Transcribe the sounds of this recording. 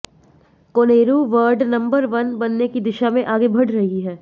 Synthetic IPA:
koːneːɾuʋəɾɖnɐ̃mbəɾʋɐnbɐnːekid̪ɪʃamẽʔaːɡebʱɐɽɾɐɦiɦɛː

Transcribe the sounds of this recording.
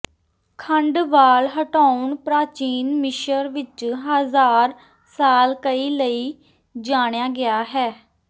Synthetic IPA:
kʰəɳɖʋaːlɦəʈaːʊɳpɾaːt͡ʃiːnmɪʃəɾʋɪt͡ʃɦazaːɾ | saːlkəiːləiː | d͡ʒaːɽ̃ejaːɡɪaːɦɛː

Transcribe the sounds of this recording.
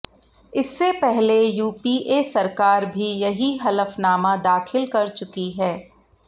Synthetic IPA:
ɪsːepɛɦlejuːpiʔesɐɾkaːɾbʱijɐɦiɦɐləfnaːmãd̪aːxɪlkɐɾt͡ʃʊkiɦɛː

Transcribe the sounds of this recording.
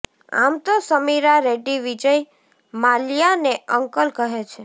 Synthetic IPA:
a̰mt̪osəmiɾaɾeʈiʋid͡ʒəj | malijaneəŋkəlkəɦet͡ʃʰe

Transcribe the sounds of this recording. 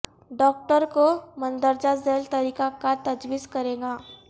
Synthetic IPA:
ɖɔːk̚ʈəɾkomə̃nd̪əɾd͡ʒazeːlt̪ɐɾiːkakat̪ɐd͡ʒwiːskɐɾẽːɡaː

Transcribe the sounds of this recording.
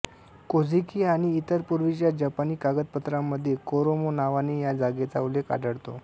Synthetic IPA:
kod͡zʱikiːaɽ̃iːt̪əɾpuɾʋit͡ɕjad͡ʑapaniːkaɡət̪̚pət̪ɾamːəd̪ʱːjekoɾomonaʋanijad͡zaɡet͡sauleka̰ɖəɽt̪o̰

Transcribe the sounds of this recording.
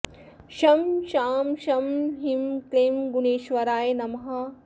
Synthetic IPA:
ʃɐmʃaːmʃɐmɦimkleːmɡuneːʃʋɐɾaːjnɐmɐɦɐ

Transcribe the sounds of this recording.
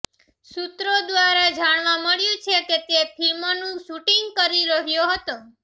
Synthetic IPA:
sut̪ɾod̪ʋaɾad͡ʒaɽ̃ʋaməɭjũt͡ʃʰeket̪epʰilmonũʃuʈiŋɡ̚kəɾiɾəɦjoɦət̪o

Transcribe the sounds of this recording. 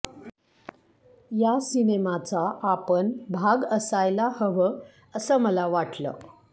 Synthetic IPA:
jasinemat͡saʔapəɳbʱaɡəsajlahəʋə | əsəməlaʋaʈlə̰ː

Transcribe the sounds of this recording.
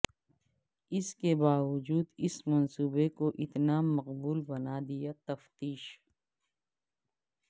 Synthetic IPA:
ɪskebaːʋʊd͡ʒuːd̪ɪsmɐnsuːbekoʔɪt̪namɐqbuːlbɐnaːd̪ijat̪ɐft̪iːʃ

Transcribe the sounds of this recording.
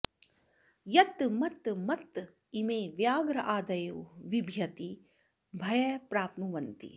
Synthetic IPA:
jɐt̪mɐt̪mɐt̪ | imeːʋjaːɡɾɐʔaːd̪ɐjuʋibʱjɐt̪i | bʱɐjɛːpɾaːpnuʋɐnt̪ḭ

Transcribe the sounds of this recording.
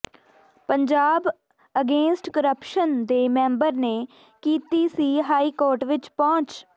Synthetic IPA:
pəɲd͡ʒaːb | əɡẽːnsʈkəɾəpʃənd̪eːmɛ̃ːmbəɾneː | kiːt̪iːsiːɦaːiːkoːɾʈʋɪt͡ʃpɔ̃ːt͡ʃ

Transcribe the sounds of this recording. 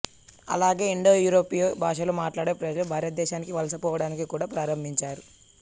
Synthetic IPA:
ɐ̰laːɡe̞ːiɳɖoːjuːɾoːpijobʱaːʂɐlomaːʈlaːɽeːpɾɐd͡ʒɐlubʱaːɾjɐt̪̚d̪ɛːʃaːnikiʋɐlɐsɐpɔːʋɐɽaːnikikuːɽaːpɾaːɾɐmbʱiɲt͡ʃaːɾu

